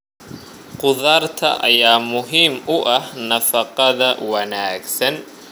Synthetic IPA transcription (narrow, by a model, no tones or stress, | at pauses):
qʊðaːrt̪ʰɐ̰ʔɐjaːmʊɦiːmʊʔɐhnɐfɐqɑðɐwɑnæːɡsɐn